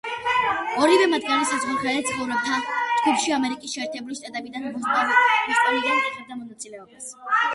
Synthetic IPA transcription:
ɔɾivɛmat̪̚ɡanisazʁuɾχalɛt̪sʰχɔvɾɔb̚t̪ʰat̪ɡupʃiamɛɾikʼisʃɛɛɾt̪ʰɛbuliʃt̪ʼat̪ʼɛbid̪anɾuzaɾist̪ʼɔɾiːd̪anikʼik̪ʼɛb̚d̪amɔnat̪sʼilɛɔbas

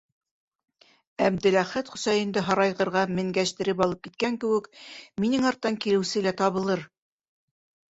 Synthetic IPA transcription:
æb̚d̪ɘ̆læχæt̪χŭsɑjɤ̆nd̪ɘɦɑɾɑjʁɤ̆ɾʁɑmɘ̆ŋɡæʃt̪ɘ̆ɾɘpɑlˠɤp̚kit̪̚kæŋkɘ̆wɘkminɘŋɑɾt̪ːɑŋkilɘ̆wsɘlæt̪ɑβɤ̆lˠɤɾ

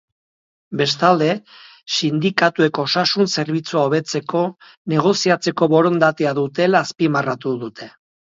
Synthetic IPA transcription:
be̞st̪ald̪e̞ | sind̪ikat̪ue̞ko̞sasunse̞ɾβit͡suaoβ̞e̞t͡se̞ko̞ | ne̞ɣ̞o̞siat͡se̞ko̞βo̞ɾo̞nd̪at̪eaðut̪e̞laːspimarat̪uðut̪e̞

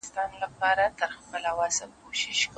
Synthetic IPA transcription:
st̪ɑnlapɑɾat̪əɾxpəlawɑzakoʃɪʃk

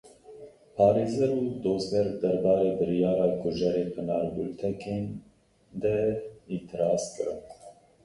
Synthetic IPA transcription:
pʰɑːɾeːzɛɾud̪oːzɡɛɾd̪ɛɾbɑːɾeːbɨɾijɑːɾɑːkʰʊʒɛɾeːqənɑːɾbult̪ʰɛkeːn | d̪ɛit̪ʰɨɾɑːskɨɾɨ̰n

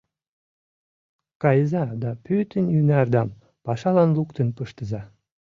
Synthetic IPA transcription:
kɑjzɑd̪ɑpøt̪ənjynærd̪ɑm | pɑʃɑlɑnlukt̪ə̆npəʃt̪ə̆zɑ

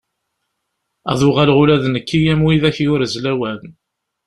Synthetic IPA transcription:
æ̰ðˤʊʁalʁʊlæðnəkʰːijæmwiðæçjʊɾəzlæwæn

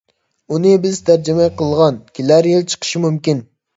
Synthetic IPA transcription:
unɨbɪzt̪ʰæɾd͡ʒɪmɛjqʰəlˠʁɑnkʲʰilæɾjelˠt͡ʃʰə̥qʰə̥ʃimymkʲin

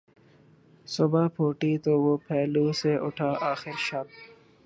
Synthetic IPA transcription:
sʊbapʰoːʈit̪oːwoːpʰɛːluseʔʊʈʰaːʔaːxɪɾʃɐk̚

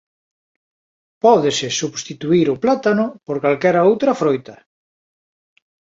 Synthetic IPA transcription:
pɔðesɪsuβst̪it̪uiɾʊplat̪anʊpoɾkalkɛɾaowt̪ɾɐfɾojt̪ɐ

